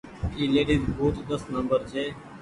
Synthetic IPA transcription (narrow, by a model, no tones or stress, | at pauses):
iːleːɖizbʱuːt̪d̪əsnəmbəɾt͡ʃʰeː